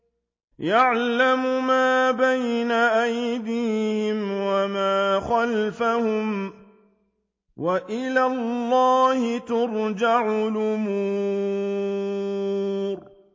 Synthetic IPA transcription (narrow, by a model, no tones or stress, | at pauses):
jaʕlamʊmaːbajnaʔajd̪iːhɪmwamaːxalfahʊm | waʔɪlaːllːɑːhɪt̪ʊɾˤd͡ʒaʕʊlʊmuː | ɾ